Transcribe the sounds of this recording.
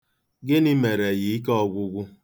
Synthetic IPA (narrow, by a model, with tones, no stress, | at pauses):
ɡɪ˦ni˦me˨ɾe˨ɣi˨˦i˦k̬ɔ˦˨ɡʷʊ˦ɡʷʊ˦